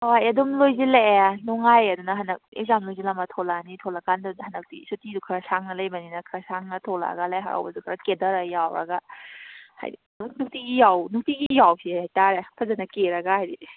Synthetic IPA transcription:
oajɐdumlojzilaanɔŋajɐdunɐɦɐnɐk̚ḛk̚zamlojzilamatʰolanitʰolakʰandhanɐk̚tḭsutidukʰɾasaŋnɐlɐjbaninɐkʰɾasaŋnɐtʰola̰ɡalajɦa̰ɾa̰wbɐ̰dukʰɾakedɐɾɐjawɾɐ̰ɡa | ha̰jdinuknuk̚tiɡijawnuk̚tiɡijawpʰiajtaɾepʰazanɐkeɾɐɡahajdi

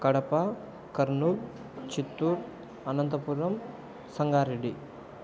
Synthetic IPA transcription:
kɐɽɐpa | kɐɾnub | t͡ʃit̪ːuɾ | ɐnɐnt̪ɐpuːɾʋɐm | sɐŋɡaːɾiɖi

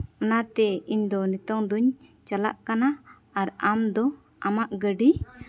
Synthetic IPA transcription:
ɔnat̪ɛiɲd̪ɔnit̪ɔŋd̪uɲt͡ʃala̰ʔkana | aɾamd̪ɔ | amaʔɡəɖi

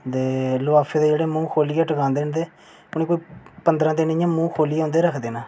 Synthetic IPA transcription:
d̪eːlʊaːfʰeːd̪eːd͡ʒeːɽeːmũːkʰoːliːaːʈəkãːnd̪eːnd̪eː | pʊneːkoːiːpənd̪əɾãːd̪eːnːjãːmũːkʰoːliːõːnd̪eːɾəkʰd̪eːnaː

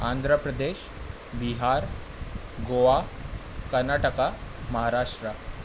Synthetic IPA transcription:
and̪ʱɾəpɾəd̪eɕ | biɦaɾ | ɡoʋakəɾnaʈəkaməɦaɾaʂʈɾə

